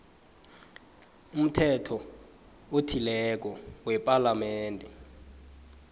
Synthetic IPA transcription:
um̩tʰɛtʰɔ | otʰilɛk̬ʼɔwɛpʼalamɛːntʼɛ

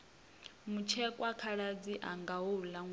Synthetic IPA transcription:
mut͡ʃʰɛkʼwakʰaɺad͡ziʔaŋɡaulaŋ

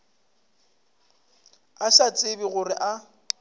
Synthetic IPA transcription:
asat͡sʼɪbiɣʊrɪʔa

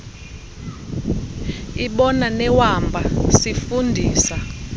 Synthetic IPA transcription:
iɓɔnanɛwambʱasifundʱiːsa

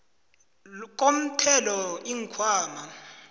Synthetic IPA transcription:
k̬ʼom̩tʰɛlɔiŋkʰwaːma

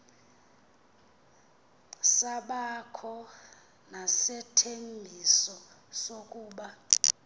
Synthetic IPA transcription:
saɓakʰɔ | nasɛtʰembʱisɔsokʼuːɓa

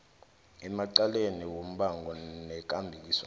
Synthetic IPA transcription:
ɛmaǀaleniwom̩ɓaŋɡʱɔnɛk̬ʼambʱik̬iːswa

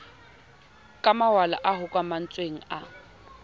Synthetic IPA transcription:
kʼamawala̰ʔaɦʊkʼwaman̩t͡sʼweŋ̩a

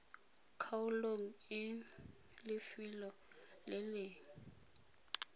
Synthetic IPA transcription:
kʰawuloŋ̩ɪ | lɪfilɔlɛleːŋ̩

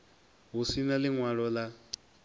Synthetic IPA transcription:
ɦusinalɪŋwaɺɔla

